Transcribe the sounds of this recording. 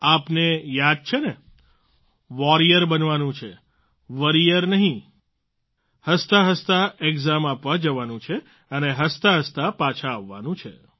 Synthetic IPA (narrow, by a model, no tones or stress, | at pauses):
apnejad̪̚t͡ʃʰene | ʋɔɾijəɾbənʋanũt͡ʃʰe | ʋəɾijəɾnəɦĩ | həst̪aɦəst̪aeɡzamapʋad͡ʒəʋanũt͡ʃʰe | əneɦəst̪aɦəst̪apat͡ʃʰaːʋːanũt͡ʃʰe